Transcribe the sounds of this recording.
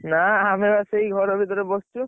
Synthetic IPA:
naamebaseɦiɡʱɔɾɔbʱit̪ɔɾebɔst͡ʃʰu

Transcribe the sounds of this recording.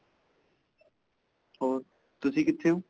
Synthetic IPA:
ɔːɾ | t̪ʊsʰikɪt̪ʰːeũ

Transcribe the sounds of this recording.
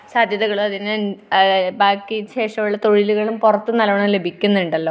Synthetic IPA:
saːd̪ʱjɐðɐɣɐɭuɐðinɐnbaːkːiɕe̞ːʂɐmuɭːɐt̪o̞ɻiluɣɐɭumpurɐt̪ːɨnɐlɐʋɐɳɐle̞bʱikʲːunːuɳɖɐlːo̞ː

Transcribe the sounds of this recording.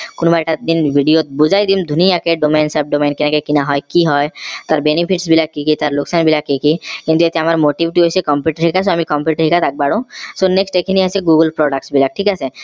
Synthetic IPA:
konbajʈad̪inbʱiɖijot̪̚bud͡ʑʱajd̪imd̪ʱunijakeɖomejnsab̚ɖomejnkenakekinaɦɔjkiɦɔjt̪aɾbenipʰiʈsbilakikit̪aɾloksanbilakikikĩnt̪uet̪eamaɾmoʈibiʈiɦojsekɔmpjuʈɾikʰas̬oamikɔmpjuʈɦikʰat̪ak̚baɽõsoneksʈekʰiniɦaseɡuɡəlpɾɔɖakʈsbilak̚ʈʰikasʰe

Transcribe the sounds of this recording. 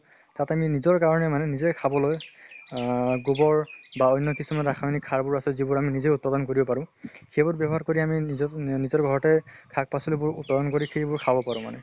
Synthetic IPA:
tataminizɔɹkaɹɔnɛmanɛnizɛkʰabɔloj | ɡobɔɹbaɔjnːɔkisumanɹakʰajnikʰːaɹbʊɹasɛzibʊɹaminizeut̚padɔnkoɹibɔpaɹʊ̃xejbʊɹbjɛbɔɦaɹkoɹiaminizɔɹɡʱɔɹɔtɛkʰak̚pasɔlibʊɹutpadɔnkoɹixejbʊɹkʰabɔpaɹʊ̃ma̰nɛ

